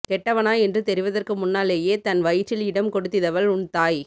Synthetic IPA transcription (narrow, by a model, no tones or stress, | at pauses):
kɛʈːɐʋɐnaːɛndrɯt̪ɛɾɪʋɐðɐrkɯmʊnːaːleːjeːt̪ɐnʋɐjɪt͡ʃːɪlɪɽɐmkɔɽɯt̪ːɪðɐʋɐɭʊɳt̪aːj